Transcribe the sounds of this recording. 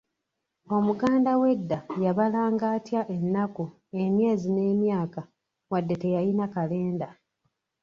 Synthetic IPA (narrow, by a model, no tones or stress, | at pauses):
o̞muɡaːndawe̞dːajaβalaːŋɡaːtjaʔe̞nːaku | e̞mje̞ːzine̞ːmjaːka | wadːe̞te̞jajinakale̞ːnda